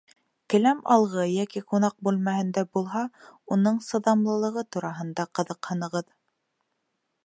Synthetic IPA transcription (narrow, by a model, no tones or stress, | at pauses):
kɘ̆læmɑ̰lˠʁɤjækiqunɑq̚bʉlmæhɘ̆nd̪æbulˠɦɑunɤɴsɤ̆ðɑmlˠɤ̆lˠɤ̆ʁɤt̪uɾɑɦɤ̆nd̪ɑqɤ̆ðɤ̆qhɤ̆nɤ̆ʁɤð